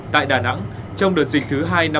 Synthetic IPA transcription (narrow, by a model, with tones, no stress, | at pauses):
t̪a̰ː˧˨jɗaː˧˩na̰˧˥ŋ | t͡ɕɔ˧wŋ͡mɗɨ˨˩ət̚zï̟˨˩t̪ʰɨ˨˦ɦaː˧jna˧